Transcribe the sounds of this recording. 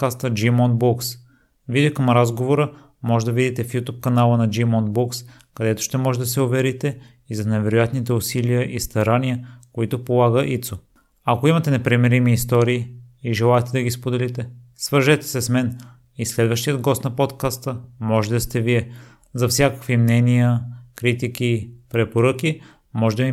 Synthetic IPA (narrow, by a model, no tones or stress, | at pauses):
kast̪əd͡ʒimɔnd̪̚bɔks | vid̪okɐmɾazɡovoɾə | mɔʒɛd̪ɐvid̪it̪ɛfjut̪up̚kɐnalˠənɐd͡ʒimɔnd̪̚bɔks | kɐd̪ɛt̪ʊ̥ʃt̪ɛmɔʒɛd̪ɐsɛovɛɾit̪ɛ | izɐnɛvɛɾojat̪nit̪ɛʊsiliəʔist̪ɐɾaniəkoit̪ʊpolˠaɡəʔit̪so | ɐkoimɐt̪ɛnɛpɾɛmɛɾimiːst̪ɔɾiːʒɛlˠaɛt̪ɛd̪ɐɡispod̪ɛlit̪ɛsvəɾʒɛt̪ɛ̥sɛsmɛn | islɛd̪vəʃt̪ijəd̪ɡɔst̪nɐpɔt̪kast̪əmɔʒɛt̪ɛst̪ɛviɛ | zɐfsʲjakə̥kvimnɛnijəkɾit̪ikipɾɛpoɾɤk̟i | mɔʒɛd̪ɐmi